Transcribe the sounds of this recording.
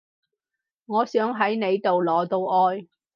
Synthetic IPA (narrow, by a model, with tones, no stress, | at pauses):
ŋɔː˨˧sœː˨˥ŋɦɐ˨˥jne˨˧jt̪o˨wlɔː˨˧t̪o˧wʔɔː˧j